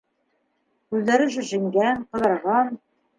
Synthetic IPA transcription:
kʉðlæɾɘʒɘ̆ʒĭŋɡænqɤ̆ðɤ̆ɾʁɑn

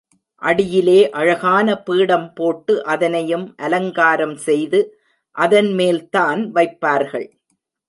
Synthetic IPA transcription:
ʔɐɽɪjɪleːʔɐɻɐɣaːnɐpiːɽɐmpoːʈːɯʔɐðɐnɐjɯmʔɐlɐŋɡaːɾɐmsɛjðɯ | ʔɐðɐnmeːlt̪aːnʋɐɪpːaːɾɣɐɭ

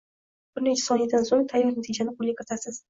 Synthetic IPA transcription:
b̥ɪɾnet͡ʃʰɪ̥sɒhɪd̪ansoŋt̪ʰajɪɾnat̪ʰid͡ʒanɪqʰʊlʲɪkʲʰat̪ʰasɪz̥

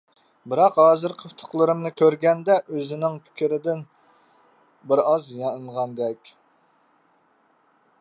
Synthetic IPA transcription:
bɪɾɑqɦɑːzɨɾqʰəft̪ʰʊ̥qlˠɨɾɨmnɨkʲøɾɡʲɛnd̪ɛʔøzɪnɪŋpʲʰi̥kʲɪɾɪd̪ɪn | bɪɾɑzjɑnɨɴʁɑnd̪ɛkʲ

